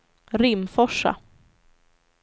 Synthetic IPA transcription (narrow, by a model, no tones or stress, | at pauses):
ɾɪmfɔʂːa̰